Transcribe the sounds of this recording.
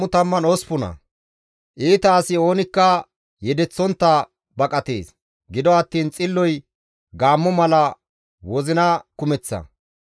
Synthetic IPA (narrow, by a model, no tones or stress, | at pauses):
ʊt̪ɐmːɐnɔspʊnɐ̰ | ʔiːt̪ɐːsɪo̞ːnɪkːɐ | jɛd̪ɛt͡sːɔnt̪ːɐ | bɐkʼɐt̪ḛːs | ɡɪd̪ɔɐt̪ːiːnt͡sʼɪlːɔj | ɡaːmːɔmɐlɐ | wɔzɪnɐkʊmɛt͡sːɐ̰